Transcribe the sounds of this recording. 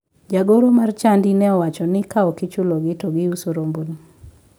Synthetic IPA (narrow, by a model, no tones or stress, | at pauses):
d͡ʒaɡoɾomart͡ʃandinɛɔwat͡ʃɔnɪkaɔkit͡ʃuloɡɪtɔɡɪusoɾomboni